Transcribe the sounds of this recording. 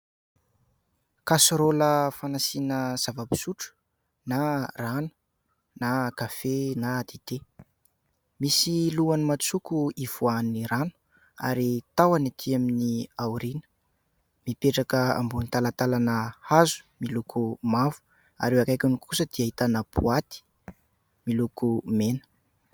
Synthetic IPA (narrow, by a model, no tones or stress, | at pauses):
kasɾoləfanasinəz̥avabi̥suʈ͡ʂu̥ | naranu̥ | nakafenaːd̪id̪̥e | misiluanimat͡sukuiv̥uaniɾanu̥ | a̰ɾit̪awanat̪ʰiaminiauɾinə̥ | mipeʈ͡ʂakəa̰mbunit̪alat̪alanəhazu̥milukʰumavu̥ | a̰ɾewakajkʲunikʰusəd̪̥iaɦit̪anapuat̪i̥ | milukumenə̥